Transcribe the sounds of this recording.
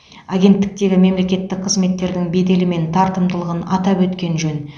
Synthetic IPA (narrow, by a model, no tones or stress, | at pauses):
aɡʲe̞nt̪ːɪk̚t̪e̞ɡʲɪme̞mle̞kʲe̞t̪ːɪk̚qʰəzme̞t̪ːe̞ɾd̪ɪŋbe̞d̪e̞lɪme̞nt̪ʰɑɾt̪əmd̪əlˠəʁənɑt̪ɑpwɵt̪kʲe̞nʒɵn